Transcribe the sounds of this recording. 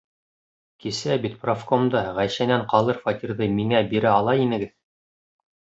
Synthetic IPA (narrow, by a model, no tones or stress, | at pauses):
kisæbit̪̚profkomd̪ɑʁæjʃænæɴqɑlˠɤɾfɑt̪ʲiɾðɤmiŋæbiɾæɑlˠɑinɘ̆ɡɘð